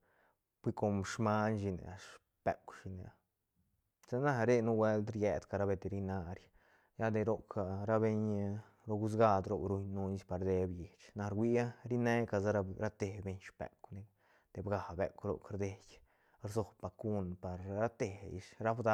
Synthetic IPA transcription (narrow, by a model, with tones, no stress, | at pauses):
b̥ʷi˦ko˧mʂma˦nʃi˧nḛ˨ʂ | pe˨kʷʃi˧nḛ˨a˨ | sa˦na˦˧ɾe˦nu˦wʷe˦ld̪ɾje˨d̪ka˧ɾa˧be˧d̪e˧ɾi˧na˧ɾʲ | ja˦d̪e˧ɾo˦kʰa˨ɾa˦˧be˧ɲ | ɾo˧ɡu˦s̬ɡa˧d̪ɾo˧ɾu˧ɲnu˧ni˧˦spa˧ɾd̪e˧bje˨t͡ʃna˧ɾɡʷwi˦a˦ɾi˦ne˦ka˧za˦˧ɾa˦t̪e˨be˧ɲʃpḛ˨kne˧ | d̪̥e˨bɡa˨bḛ˨kɾo̰˨kɾd̪e˧ɡʲ | ɾzo˧˨bb̥a˧ku˦npa˨ɾɾa˦t̪e˨ḭ˧ʃɾa˦bd̪a˦